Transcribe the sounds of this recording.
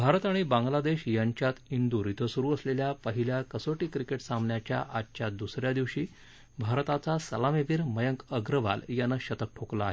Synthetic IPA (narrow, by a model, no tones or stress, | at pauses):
bʱaɾət̪aɽ̃ibãŋɡlad̪eɕjaɲt͡ɕjat̪ind̪uːɾit̪ʰəsuɾuːəsleljapəɦiljakəsoʈiːkɾikeʈsambɳjat͡ɕja̰ʔatt͡ɕjad̪usɾjad̪iʋɕiː | bʱaɾt̪at͡sasəlameʋiːɾməjəŋkəɡɾəʋa̰ljanːəɕət̪ək̚ʈʰoklaːɦe